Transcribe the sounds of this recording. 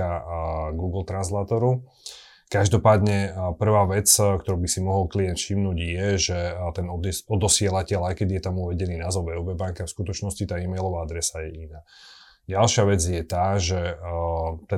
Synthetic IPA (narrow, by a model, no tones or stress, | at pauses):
aɡuːɡl̩t̪ɾanslaːt̪ɔɾu | kaʒd̪ɔpaːd̪ɲɛpr̩ʋaːʋɛt͡skt̪ɔɾuːbisimɔɦɔlkliɛnt̪fʃimnuːɟjɛʒɛt̪ɛnɔd̪ɔd̪ɔsɪɛlacɛlajkɛd̪ijɛt̪amuʋɛɟɛniːnaːzɔɛɔːbɛbaŋkafskut̪ɔt͡ʃnɔscit̪aːimɛjlɔʋaːad̪ɾɛsajɛʔinaː | ɟalʃɪaʋɛd͡zjɛt̪aːʒɛ | t̪ɛ